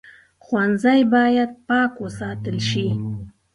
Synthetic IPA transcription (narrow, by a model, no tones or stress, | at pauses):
χwanzajbɑjad̪̚pɑːkwosɑt̪əlʃi